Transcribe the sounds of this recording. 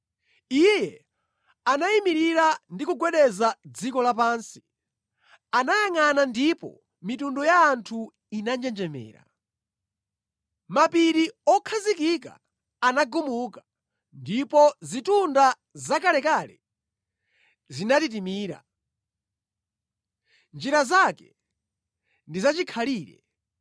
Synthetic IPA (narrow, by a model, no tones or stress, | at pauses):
ijɛ | anaimiɾiɾandikuɡwɛɗɛzad͡zikɔlapaːnsi̥ | anajaŋanandipɔ̰ | mitundɔjaːntʰu | inand͡ʒɛnd͡ʒɛmɛ̰ːɾa̰ | mapiɾiɔkʰazikika̰ː | naɡumuka | ndipɔzitunda | zakalɛkalɛ | zinatit̬imiːɾa̰ | nd͡ʒiɾazakɛ | ndizat͡ʃikʰaliːɾɛ̰